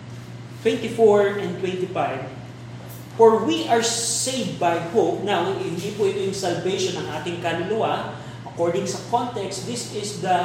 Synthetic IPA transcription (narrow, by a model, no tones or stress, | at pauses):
t̪wɛ̃nt̪ifoɹʔɛ̃nt̪wɛ̃nt̪ifajv | fɔɹwiʔɐɹsejvbajhop̚nawɪnd̪ipʊʔɪt̪ojʊŋsɐlvejʃonɐŋʔaːt̪ɪŋkalʊlʊwa | ʔɐkɔɹd̪ɪ̃ŋsɐkõnt̪ɛkst̪d̪ɪsɪsd̪ɐ